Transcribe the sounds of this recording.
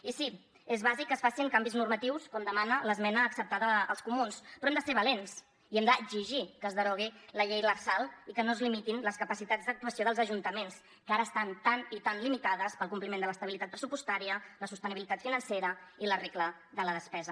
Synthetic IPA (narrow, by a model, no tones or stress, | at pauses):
isi | ezβazikːəsfasiŋkambiznuɾmət̪iwskɔmd̪əmanələzmɛnəːksəp̚t̪aðə̰ːlˠskumunspɾɔemd̪əseɾβəlens | iɛmd̪əɡziʒikəzðəɾɔɣ̞iləʎejləɾsalˠikənozlimit̪inləskəpəsit̪azd̪ək̚t̪uəsioðəlˠzəʒunt̪əmens | kaɾəːst̪ant̪anit̪anlimit̪aðəspəlˠkumplimend̪ələst̪əβilit̪at̪̚pɾəsupust̪aɾiələsust̪əniβilit̪at̪finənseɾəiləreklə | ðələðəspɛzə